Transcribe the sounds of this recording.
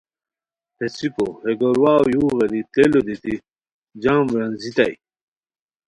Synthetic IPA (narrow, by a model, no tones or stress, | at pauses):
pet͡sipoheɡoɾwaːwjuːɣeɾit̪elod̪it̪i | d͡ʑaːmɾɐnzit̪a̰j